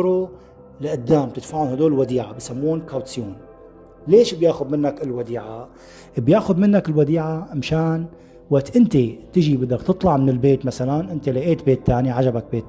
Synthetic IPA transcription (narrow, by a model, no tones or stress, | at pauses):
ɾo | laʔad̪ːaːmt̪ɪt̪faʕunhad̪uːllwad̪iːʕabisamːuːnkawt̪sjuːn | leːʃbjaːʔxʊd̪mɪnːakɪlwad̪iːʕa | bjaːʔxʊd̪mɪnːakɪlwad̪iːʕaʔmʃaːn | waʔt̪ʔɪnt̪et̪ɪʒibɪd̪ːakt̪ɨt̪ˤlɑʕmɪnɪlbeːt̪masalanʔɪnt̪elaʔeːt̪̚beːt̪ːaːniʕad͡ʒabak̚beːt̪